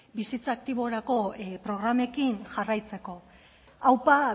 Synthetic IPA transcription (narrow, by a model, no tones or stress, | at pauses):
bisit͡saːk̚t̪iβo̞ɾako̞pɾo̞ɣɾame̞kinʝarajt͡se̞ko̞ | awpa